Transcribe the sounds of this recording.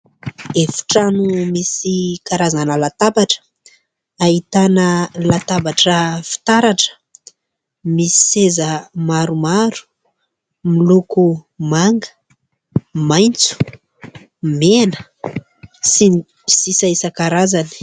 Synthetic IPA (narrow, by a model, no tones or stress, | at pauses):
efu̥ʈ͡ʂanumisikaɾazanəlat̪abaʈ͡ʂə̥ | aɦit̪anəlat̪abaʈ͡ʂəfi̥t̪aɾaʈ͡ʂə̥ | misi̥sezəmaɾumaɾu̥ | milukumaŋɡə̥ | majnt͡su̥ | menə | sin | sisaisəkaɾazani̥